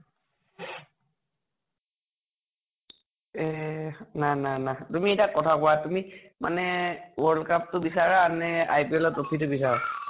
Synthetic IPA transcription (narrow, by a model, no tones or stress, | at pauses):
ɛnananatumiɛjtakɔtʰakɔwatumi | ma̰nɛwɔɹlkap̚tʊbisaɹaːnɛa̰jpiɔlɔtopʰitʊbis̬aɹa